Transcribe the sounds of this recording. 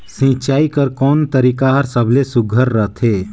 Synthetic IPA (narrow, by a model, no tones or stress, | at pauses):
sĩːt͡ʃaːikəɾkɔːnt̪əɾiːkaɦəɾsəbʱlesʊɡʱəɾːət̪ʰɦeː